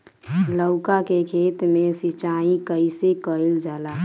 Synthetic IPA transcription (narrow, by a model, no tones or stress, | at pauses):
ləʊkakekʰeːt̪mesit͡ʃaĩkəɪsekəild͡ʒaːla